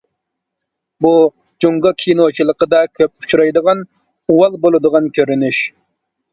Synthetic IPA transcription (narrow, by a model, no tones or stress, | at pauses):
bu | d͡ʒoŋɡɑkʲʰinot͡ʃʰilˠəqəd̪ɑkʲʰøp̚u̥t͡ʃʰuɾɑjd̪əʁɑn | uwɑlˠbolˠɨd̪əʁɑnkʲʰøɾynyʃ